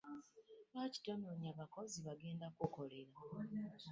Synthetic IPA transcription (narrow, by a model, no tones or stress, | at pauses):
βaci̥tamoːɲaβako̞ziβaɡe̞ːndakoko̞le̞ɾa